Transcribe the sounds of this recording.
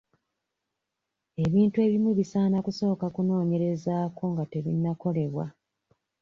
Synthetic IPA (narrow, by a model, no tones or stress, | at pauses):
e̞βiːntue̞ːβimweβisaːnakuso̞ːkakuno̞ːɲe̞ɾe̞zaːko̞ŋɡate̞βinːako̞le̞βwa̰